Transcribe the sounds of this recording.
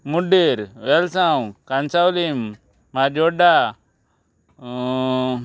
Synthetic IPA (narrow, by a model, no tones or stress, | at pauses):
muɖiɾʋelsawkansawlimː | ad͡ʒoɖa